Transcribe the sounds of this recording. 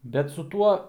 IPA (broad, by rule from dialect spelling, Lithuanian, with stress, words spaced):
bʲɛt sʊ ˈtuɔ